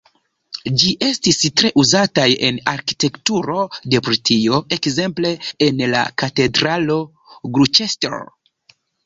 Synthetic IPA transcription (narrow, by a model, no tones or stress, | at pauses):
d͡ʒiʔe̞stistɾe̞ʔuzataje̞̰naɾki̥te̞ktuɾo̞de̞pɾitʰio̞e̞kze̞mple̞ːnla̰kate̞dɾalo̞ | ɡɾut͡ʃestḛɾ